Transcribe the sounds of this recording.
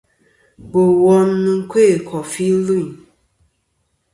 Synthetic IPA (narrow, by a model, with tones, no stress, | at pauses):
bo˨wɔ˦mnu˦kʷʰe˦˨kʰɔ˨fi˦lu˦˨